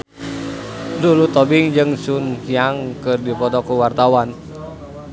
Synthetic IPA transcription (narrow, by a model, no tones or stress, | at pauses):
lulut̪ɔbiŋd͡ʒɨŋsunkijaŋkɨrdipɔt̪ɔkuwart̪awan